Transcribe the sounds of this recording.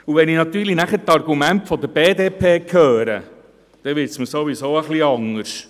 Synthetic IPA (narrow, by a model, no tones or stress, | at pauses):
uʋɛnɪnɑt̪yːlinæχətɑɾɡumæntfɔd̪əɾb̥eːd̪eːpʰeːkʰœːɾə̰ | d̪̥ɛʋɪsməsoʋisoːəχliɑŋːəɾʃ